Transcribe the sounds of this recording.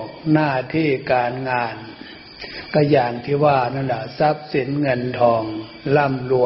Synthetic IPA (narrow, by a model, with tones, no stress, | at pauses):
k̚naː˥˩t̪ʰiː˥˩kaː˧nŋaː˧n | ka˧jaː˨˩nt̪ʰiː˧˩waː˧˩naː˧˥˩nla˧˩sa˦˥p̚si˨˩˦nŋɤ˧nt̪ʰɔː˧ŋ | la˥˩mlu˧˨